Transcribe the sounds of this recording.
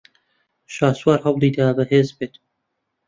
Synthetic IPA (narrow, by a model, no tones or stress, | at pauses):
ʃaːswaːɾɦɐwlˠiːd̪abɐɦeːzbeːt̪